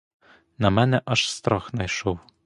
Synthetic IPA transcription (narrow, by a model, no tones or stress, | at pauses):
nɑmænɛʔɑʃst̪ɾɑxnɑjʃow